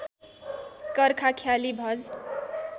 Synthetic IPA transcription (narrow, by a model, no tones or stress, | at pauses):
kʌɾkʰakʰjalibʱʌd͡z